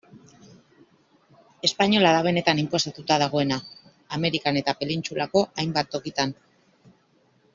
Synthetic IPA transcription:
e̞spaɲo̞laðaβ̞e̞ne̞t̪animpo̞sat̪ut̪að̞aɣ̞o̞e̞naː | me̞ɾikane̞t̪ape̞lint͡ʃulako̞ʔajmbat̪ːo̞kit̪an

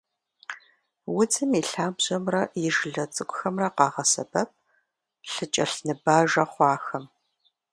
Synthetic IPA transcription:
wʊd͡zɨmiɬaːbʑɐmrɐjɪʒɮɐt͡sʼɨɡʷʊxɐmrɐqɑːʁɐsɐbɐp̚ | ɬɨt͡ʃʼɐɬnɨbaːʒɐχʷɑːxɐm

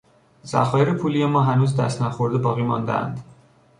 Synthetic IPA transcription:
z̥æ̰xɒːjeɾepʰuːlijemɒːɦænuːzd̪æ̰st̪næxoɾd̪ebɒːɣiːmɒ̰ːnd̪ḛæ̰nd̪

